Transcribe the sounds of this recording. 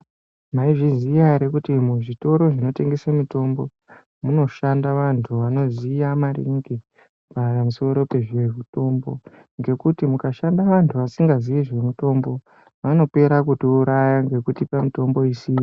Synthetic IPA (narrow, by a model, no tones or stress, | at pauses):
maiʐizijaɾekutimuʐito̞ɾo̞ʐino̞te̞ŋɡe̞samito̞mbo̞ | muno̞ʃandaʋantʰuʋano̞zijamarḭŋɡi | papamuso̞ɾo̞pe̞ʐieʐito̞mbo̞̰ | ŋɡe̞kutimukaʃandaʋantʰuʋasiŋɡaziiʐe̞muto̞mbo̞ | ʋano̞pe̞ɾakutouɾajaŋɡe̞kutipamito̞mbo̞isiːjo